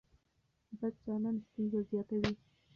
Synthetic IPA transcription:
bad̪̚zɑnɑnst̪unzazjɑt̪awi

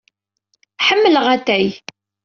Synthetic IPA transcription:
ħəmːələʁæt̪ːæj

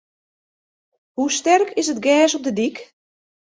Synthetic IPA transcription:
hustɛrkʰɪsət̚ɡɛːsɔp̚dədik

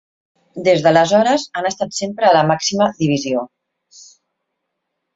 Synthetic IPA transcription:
d̪ezðələzɔɾəzanəst̪at̪sempɾəːləmaksiməðiβ̞izio

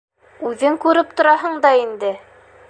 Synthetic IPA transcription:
ʉðɘŋkʉɾɘp̚t̪ŏɾɑɦɤɴd̪ɑind̪ɘ

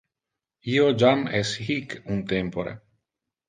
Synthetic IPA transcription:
iod͡ʒamɛshikunt̪empoɾɛ̰

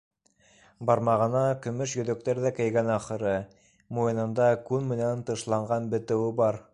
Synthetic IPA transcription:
bɑɾmɑʁɤ̆nɑkɵ̆mɵʃjɵ̆ðɵ̆k̚t̪æɾðækɘ̆jɡænɑχɤ̆ɾɤ | mujɤ̆nɤ̆nd̪ɑkʉnmɘ̆nænt̪ɤ̆ʃlˠɑɴɢɑnbɘ̆t̪ɘ̆wɘbɑɾ

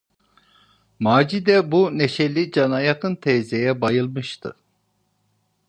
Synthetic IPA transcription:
maːd͡ʒid̪ɛbuneʃɛlʲːid͡ʒɑnɑjɑkʰɯnt̪ʰɛːzejɛbɑjɯlˠmɯʃt̪ʰɯ̰

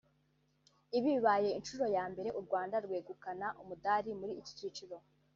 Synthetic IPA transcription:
iβiβaje̞inʃuɾo̞jaːmbe̞ɾe̞ʔuɾɡwaːndaɾɡweːɡukanaʔumudaːɾimuɾiːci̥cit͡ʃiɾo̞

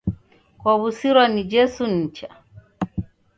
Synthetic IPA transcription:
kwaβusiɾwanid͡ʒɛsun̩t͡ʃa

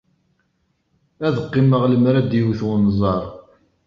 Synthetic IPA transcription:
æðəqːɪməʁləmɾæd̪iwθwnzˤɑɾˤ

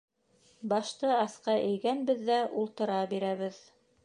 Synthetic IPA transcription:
bɑʃt̪ɤɑsqɑʔɘ̆jɡænbɘðːæʔulˠt̪ɤ̆ɾɑbiɾæβɘð

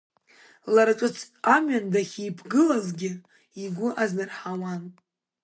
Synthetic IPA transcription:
laɾat͡ʃʷʼʊt͡sʰʼ | amɥandaχʲipʰɡɨlazɡʲɪ | iɡʷʊʔaznɨrħawan

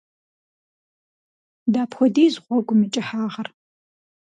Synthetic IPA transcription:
daːpxʷɔdiːzʁʷɔɡʷʊmɨt͡ʃʼɪħaːʁɐr

